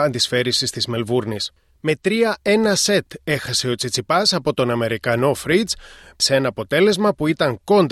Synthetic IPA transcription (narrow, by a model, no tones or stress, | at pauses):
ɐnd̪isfe̞ɾisist̪izme̞lvuɾnis | me̞t̪ɾiɐe̞nɐse̞t̪e̞xɐse̞o̞t͡sit͡sipɐsɐpo̞t̪o̞nɐme̞ɾikɐno̞fɾid͡zse̞nɐːpo̞t̪e̞le̞zmɐpuit̪ɐŋko̞nd̪